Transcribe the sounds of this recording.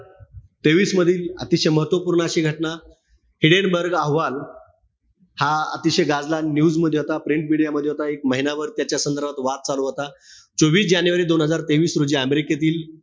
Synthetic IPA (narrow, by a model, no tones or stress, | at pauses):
t̪eʋiːsməd̪ʱiːlə̰t̪iɕeməɦət̪ʋəpuːɾɳəaɕiːɡʱəʈna | hiɽenbəɾɡəɦʋal | haə̰t̪iɕeɡad͡zlanjuːd͡zməd̪ʱːjeɦot̪apɾiɳʈ̚miɽijaməd̪ʱːjeɦot̪aek̚məɦinaʋəɾt̪jat͡ɕjasənd̪əɾbʱat̪ʋat̪̚t͡saluɦot̪at͡soʋiːsd͡ʑanjuʋəɾiːd̪onɦəd͡zaɾt̪eʋiːsɾud͡ʑiːəmeɾiket̪iːl